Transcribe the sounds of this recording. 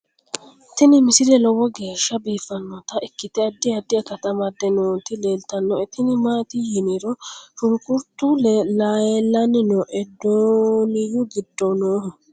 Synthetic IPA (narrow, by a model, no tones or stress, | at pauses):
t̪ɪnɪmɪsɪɾɛlɔwɔɡe̞ːʃːɐbiːfːɐnːɔt̪ɐɪkːɪt̪ɛɐd̪ːɪɐd̪ɪɐkɐt̪ɐmɐd̪ɛnoːt̪ɪleːlt̪ɐnːɔɛt̪ɪnɪmaːt̪ihɪnɪɾɔʃʊŋkʊɾt̪uːlɛlaːjɛlːɐnɪnɔʔɛd̪oːnɪjʊɡɪd̪ːɔnoːhʊ